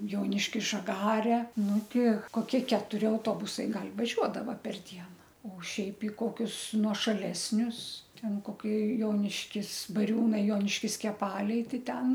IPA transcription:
ˈjoːnʲɪʃʲkʲɪs ʒɐˈɡɑːrʲɛ ˈnʊ ˈtʲɪ koːˈkʲiɛ kʲɛtʊˈrʲɪ ɐʊˈtoːbʊsɐɪ ˈɡɐlʲ ʋɐˈʒʲuɔdɐʋɐ pʲɛr ˈdʲiɛnɐ oː ˈʃʲɛɪp ɪ ˈkoːkʲʊs nuɔʃɐˈlʲæːsʲnʲʊs ˈtʲɛn koːˈkʲiɛ ˈjoːnʲɪʃʲkʲɪs bɐˈrʲuːnɐɪ ˈjoːnʲɪʃʲkʲɪs kʲɛˈpɑːlʲɛɪ ˈtɐɪ ˈtʲɛn

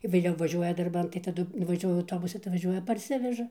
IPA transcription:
ʋʲeːˈlʲɛʊ ʋɐˈʒʲuɔjɛ dɐrˈbɐn tɐɪ tɐˈdʊ ʋɐˈʒʲuɔjʊ ɐʊˈtoːbʊsʊ tɐɪ ʋɐˈʒʲuɔjɛ pɐrʲˈsʲɪʋʲɛʒɐ

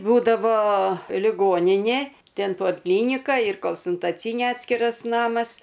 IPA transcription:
ˈbuːdɐʋoː lʲɪˈɡoːnʲɪnʲeː ˈtʲɛn poːlˠˈklʲiːnʲɪkɐ ɪr koːlˠsʊntɐˈt͡sʲiːnʲeː ˈɑːtʲsʲkʲɪrɐs ˈnɑːmɐs

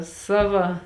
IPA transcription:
ˈsɑːʋɐ

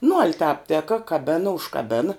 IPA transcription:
nʊ ɐlʲ tɑːp ˈtʲæːkɐ kɐˈbʲæːnɐ ʊʃkɐˈbʲæːnɐ

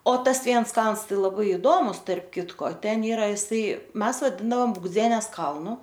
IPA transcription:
oː ˈtɐs ˈʋʲiɛns ˈkɐlˠns ˈtɐɪ lˠɐˈbɐɪ ɪˈdoːmʊs tɐrp ˈkʲɪtkoː ˈtʲɛn ˈiːrɐ ɪˈsɐɪ ˈmʲɛs ʋɐˈdʲɪndɐoːm bʊɡˈd͡zʲiɛnʲɛs ˈkɐlˠnʊ

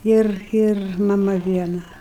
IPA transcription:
ˈɪr ɪr mɐˈmɐ ˈʋʲiɛnɐ

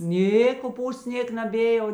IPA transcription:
ˈnʲeː koːˈpuːsts ˈnʲeːk nɐˈbʲeː jɛʊ

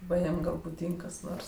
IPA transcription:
ˈʋɐ ˈjiɛm ˈɡɐlˠ bʊˈdʲiːŋk kɐs ˈnoːrs

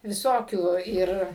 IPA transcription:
ʋʲɪˈsoːkʲuː ˈɪr

